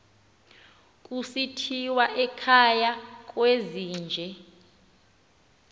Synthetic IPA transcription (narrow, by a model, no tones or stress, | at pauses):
kʼusitʰiwaʔɛkʰajakʼweziːnd͡ʒʱɛ